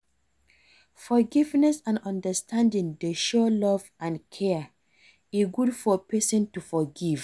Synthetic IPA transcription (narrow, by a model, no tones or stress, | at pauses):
fɔɡivnɛsãnɔ̃ndəstʰãndĩŋdeʃɔlɔvʔãnkʰɛ | iɡudfɔpɛsɔ̃ntufɔɡiv